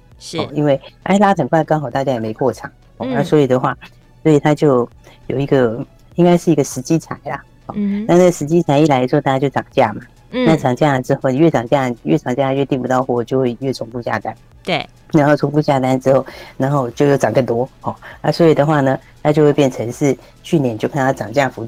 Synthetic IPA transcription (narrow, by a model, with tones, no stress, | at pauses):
ɔ˥˧i˥nwe˥˩ɪə̰˧˥˧la˥tʰə˨˩nkʰwa˥˧˩kɑ˥ŋxɑ˨˩ʊt̪a˥˧˩t͡ɕja˥jɛ˨˩me˧˥ɪkwɔ˥˩ʈ͡ʂʰɑ˨˩˦ | ɔ˥˧ə˧˥swɔ˧˥i˨˩d̪ə˦xwa˥˩ | swɔ˧˥i˨˩t̪ʰa˥t͡ɕjo˥˩ʊjo˨˩ʊi˧˥ɡə˧ | i˥ŋka˥ɪʂɻ̩˥˩i˧˥ɡə˧ʂɻ̩˧˥t͡ɕi˥t͡sʰa˨˧˩ɪlɐ˧ | ɔ̰˥˧na˥˧nə˥˩ɡə˩ʂɻ̩˧˥t͡ɕi˥t͡sʰa˧˥ɪi˥˩la˧˥˧t̪a˥˧˩ja˥jo˥˩ɑ˨˩ŋt͡ɕja˥˩mɐ˩ | na˥˩ʈ͡ʂɑ˨˩ŋt͡ɕja˥˩ə˨˩ʈ͡ʂɻ̩˥xo˥˩ʊni˨˩ɥɛ˥˩ʈ͡ʂɑ˨˩ŋt͡ɕja˥˩˨ɥɛ̰˥˩ʈ͡ʂʰɑ˨˩ŋt͡ɕja˥˧˩ɥɛ˥˧t̪i˥˩ŋpu˧˥t̪ɑ˥˧ʊxwɔ˥˩˨t͡ɕjo˥˧ʊxwe˥˧ɪɥɛ˥˩t͡sʰʊ˧˥ŋfu˥˧t͡ɕja̰˥˩t̪a˥n˥˩ | na˧˥nxo˥˩ʊt͡sʰʊ˧˥ŋfu˥˧t͡ɕja˥˩t̪a˥nʈ͡ʂɻ̩˥xo˥˩ʊna˧˥nxo˥˧ʊt͡ɕjo˥˧ʊjo˥˩ʊʈ͡ʂɑ˨˩ŋkə˥˩nt̪wɔ˥xɔ˥˩ə˞˧˥swɔ˧˥i˨˩d̪ə˦xwa˥˩nə˩ | t̪ʰa˥t͡ɕjo˥˧ʊxwe˥˧ɪpjɛ˥˩nt͡sʰə˧˥ŋʂɻ̩˥˧ | t͡ɕʰy˥˩njɛ˥˦nt͡ɕjo˥˧ʊkʰa˥˧n˧˥˩ʈ͡ʂɑ˨˩ŋt͡ɕja˥˩fu˧˥